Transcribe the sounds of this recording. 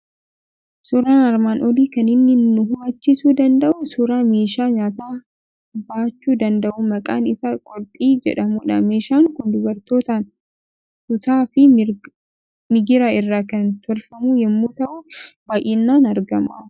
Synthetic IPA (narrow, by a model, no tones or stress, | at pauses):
sʊɾaːnɐɾmaːnʔɔliːkɐnɪnːɪnːʊɦʊmɐt͡ʃːɪsuːd̪ɐnd̪ɐʔʊsʊɾaːme̞ːʃaːɲaːt̪aː | baːt͡ʃːuːd̪ɐnd̪ɐʔumɐkʼa̰ːnɪsakʼɔɾt̪ʼiːd͡ʒɛ̰ᶑɐmuːᶑɐme̞ːʃaːŋkʊnd̪ʊbɐɾt̪oːt̪an | sʊt̪aːfɪ | mɪɡɪɾaɪrːaːkɐnt̪ʰɔlfɐmuːjɛmːuːt̪ɐʔuːbaːʔɪnːaːnɐɾɡɐmʔɐ